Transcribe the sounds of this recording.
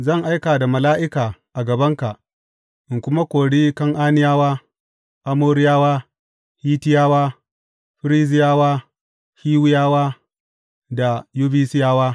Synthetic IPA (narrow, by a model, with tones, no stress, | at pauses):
zɐ˦˨ŋʔa˦jkaː˨da˨mɐ˨laː˦ʔɪ˦kaː˨ʔa˨ɡɐ˨bɐ˦ŋka˨ | ʔɪ˨ŋkʷʊ˦ma˦kʷoː˨ɽiː˦kɐ˦ŋʔaː˦nɪ˦jaː˦waː˦ | ʔa˦moː˦ɾɪ˦jaː˦waː˦ | hiː˦tɪ˦jaː˦waː˦ | ɸɪ˦ɾiː˦zɪ˦jaː˦waː˦ | hiː˦wʊ˦jaː˦waː˦ | da˨ju˦biː˦sɪ˦jaː˦waː˦